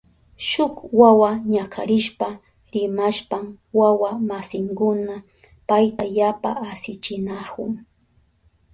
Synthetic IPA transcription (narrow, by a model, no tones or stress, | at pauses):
ʃʊkwawaɲakʰa̰ɾɪʃpa | ɾɪmaʃpam | wawamasɪŋkʊna | pajt̪ajapa̰ːsɪt͡ʃɪnakʊŋ